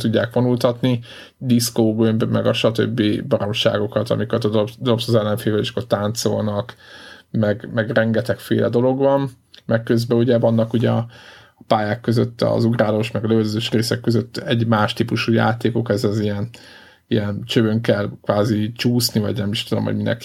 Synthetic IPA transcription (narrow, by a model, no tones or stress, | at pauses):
t̪uɟːa̰ːkʋonult̪ɒt̪ni | d̪iskoːɡømbmɛɡɒʃɒt̪ø̰bːibɒɾo̞mʃa̰ːɡo̞kɒt̪ɒ̰mikɒt̪d̪od̪opsɒzɛlːɛɱfeːvɛliʃkːort̪aːnt̪so̞̰lnɒkmɛɡmɛɡrɛŋɡɛt̪ɛkfḛːlʔɛd̪o̞lo̞ɡvɒn | mɛkkːø̞zbɛuɟɛvɒnːɒkuɟɛɒ | paːjaːkːø̞zøt̪ːɒ̰zuɡraːlo̞ʃmɛɡɒløøzøːʃreːsɛkːøzøt̪ːɛɟmaːʃt̪ipuʃuːja̰ːt̪eːko̞kɛzɛzijɛn | ijɛnt͡ʃøbøŋkɛlkʋaːzit͡ʃuːsnivɒ̰ɟnɛmiʃt̪ud̪o̞̰mɦo̰minɛ̰k